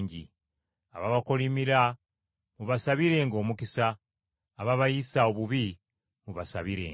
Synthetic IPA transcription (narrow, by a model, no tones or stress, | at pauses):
ɲɟḭ | a̰βaβakolimiɾa | muβasaβiɾe̞ŋɡo̞ːmukisaː | βaβajisao̞βuβi | muβasa̰βiɾḛː